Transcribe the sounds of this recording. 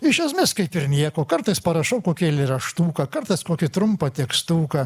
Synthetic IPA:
ɪʃʲɛsʲmʲɪskɐɪpɪɾnʲiɛkoːkɐɾt̪ɐɪspɐɾɐʃɐʊkoːkʲilʲɪrɐʃt̪uːkɐkɐɾt̪ɐɪskoːkʲɪt̪ɾʊmpɐt̪ʲiɛkst̪uːkɐ

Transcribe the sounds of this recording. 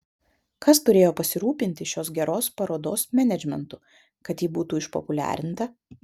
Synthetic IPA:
kɐst̪ʊɾʲeːjoːpɐsʲɪɾuːpʲɪnʲt̪ʲɪʃʲoːs̬ɡʲɛɾoːspɐɾoːd̪oːsmʲɛnʲɛd͡ʒʲmʲɛ̰nt̪ʊ | kɐt̪jiːbuːt̪uːɪʃpɔ̰pʊlʲæ̰ːɾʲɪnt̪ɐ

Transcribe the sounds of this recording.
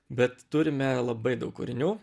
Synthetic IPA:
bʲɛt̪t̪ʊɾʲɪmʲɛlˠɐbɐɪd̪ɐʊkʊ̰ɾʲɪnʲuː

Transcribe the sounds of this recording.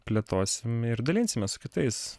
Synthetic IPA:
pʲlʲet̪oːsʲɪmɪɾd̪ɐlʲɪnʲsʲɪmʲɛsʊ̥kʲɪt̪ɐɪs

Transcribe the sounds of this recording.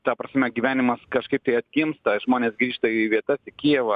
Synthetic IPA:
t̪ɑːpɾɐsʲmʲɛɡʲiʋʲæːnʲɪmɐskɐʃkɐɪp̚t̪ɐɪɐt̪ʲɡʲɪmst̪ɐʒmoːnʲeːsɡɾʲiːʃt̪ɐiʋʲiɛt̪ɐsɪkʲijɛʋɐ

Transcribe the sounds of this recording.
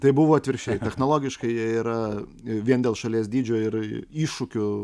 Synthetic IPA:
t̪ɐɪbʊʋoːɐt̪ʲʋʲɪɾʲʃʲɛɪt̪ʲɛxnoːlˠoːɡʲɪʃkɐɪjɛiːɾɐʋʲiɛnd̪ʲeːlˠʃɐlʲiɛsd̪ʲiːd͡ʒʲoːɪɾiːʃʊkʲʊ

